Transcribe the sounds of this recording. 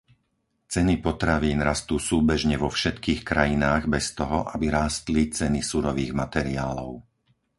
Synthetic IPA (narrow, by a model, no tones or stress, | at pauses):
t͡sɛnipɔt̪ɾaʋiːnɾast̪uːsuːbɛʒɲɛʋɔfʃɛt̪kiːxkɾajinaːɣbɛst̪ɔɦɔʔabiɾaːst̪lit͡sɛnisuɾɔʋiːɣmat̪ɛɾiaːlɔʊ